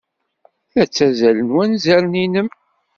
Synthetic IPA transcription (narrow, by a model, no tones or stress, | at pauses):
θæt͡sːæzælənwænzæɾninəm